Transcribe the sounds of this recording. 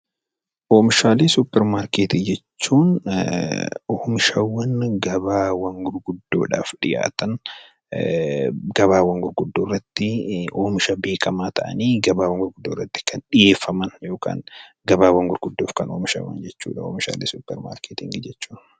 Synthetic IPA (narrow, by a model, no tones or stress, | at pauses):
ʔoːmɪʃaːleːsupːɛɾmaːɾkeːt̪ɪːd͡ʒɛt͡ʃːuːn | oːmɪʃɐwːɐnɡɐbaːwɐŋɡʊɾɡʊd̪ːo̰ːᶑa̰ːfᶑɪja̰ːt̪ɐn | ɡɐβaːwɐŋɡʊɾɡʊd̪ːoːrːɐt̪ːɪoːmɪʃɐbe̞ːkʰɐmaːt̪ɐʔɐ̰niːɡɐbaːwɐŋɡʊɾɡʊd̪ːoːrːɐt̪ːɪ̥kɐnᶑɪjeːfːɐmɐnjo̞ːka̰ːŋ | ɡɐbaːwɐŋɡʊɾɡʊd̪ːoːfkɐnoːmɪʃɐ̰wɐ̰nd͡ʒɛt͡ʃːṵːᶑɐoːmɪʃa̰ːlḛːsʊpːɛɾma̰ːɾkeːt̪ɪŋɡɪd͡ʒɛt͡ʃːuːn